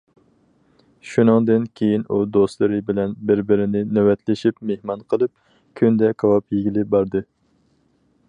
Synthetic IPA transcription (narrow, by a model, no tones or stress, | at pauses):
ʃunɨŋd̪ɨnkʲʰejinud̪ost̪lˠɨɾɨbɪlɛnbɪɾbɪɾɪnɪnewɛt̪ʰlɪʃipmehmɑnqʰəlˠɨp̚ | kʲʰynd̪ɛkʰɑwɑpjeɡʲilɪbɑɾd̪ɨ